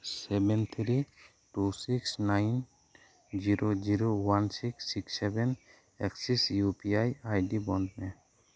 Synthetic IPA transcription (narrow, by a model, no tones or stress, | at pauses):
sɛbɛnt̪ʰɾi | ʈusiksnajn | d͡ʒiɾod͡ʒiɾowansiksːiksɛbɛn | eksisjupiajajɖibɔndnɛ